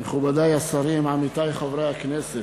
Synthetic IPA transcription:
meχubad̪ajasaɾimʕamit̪ajχovɾejaknɛse

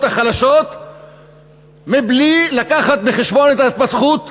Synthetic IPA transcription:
t̪aχalaʃo̞t̪ | miblilakaχat̪beχeʃbo̞net̪ait̪̚pasχut̪

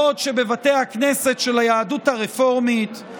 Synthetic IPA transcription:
ot̪ʃe̞be̞vate̞jhaknese̞tʃe̞lajaːduthaʁefo̞ʁmit̪

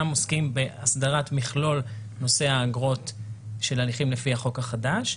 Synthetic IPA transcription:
amoskimbe̞asdaʁatmiχlo̞l | no̞se̞haːɡʁo̞tʃelaliχimlefihaχo̞khaχadaʃ

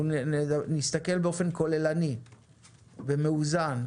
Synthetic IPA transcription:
nist̪ake̞lbeo̞fe̞nko̞le̞lani | vemeuzan

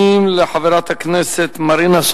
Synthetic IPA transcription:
imleħaveɾat̪hakneset̪maɾinaʃ

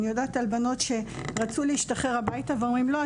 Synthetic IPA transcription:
nijodaːtalbano̞tʃe̞ʁat͡suleiʃtaχe̞ʁhabaitaveomʁimlo̞a

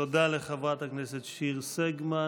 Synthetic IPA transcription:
od̪aleχavʁat̪haknɛset̪ʃiʁsɛɡma

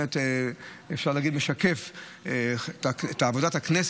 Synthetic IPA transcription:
et | efʃaʁlaːɡid̪meʃakef | taet̪aːvod̪at̪haknes

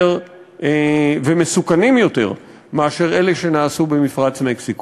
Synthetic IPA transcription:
ʁ | vemesukanimjo̞t̪e̞̰ʁ | meaʃe̞ʁe̞leʃe̞naːsube̞mifʁat͡smeksik

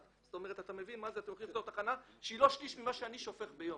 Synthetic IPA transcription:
sot̪o̞me̞ʁ̞et̪at̪ame̞vinmazeat̪emoχift̪ot̪aχanaʃeilo̞ʃkiʃmimaʃeaniʃofe̞χbejom

